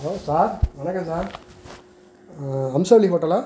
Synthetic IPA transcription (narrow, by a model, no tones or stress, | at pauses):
oːsaːɾʋɐnɐkːɐ̃saːɾ | ɐmsɐʋlikoːʈːɐlaː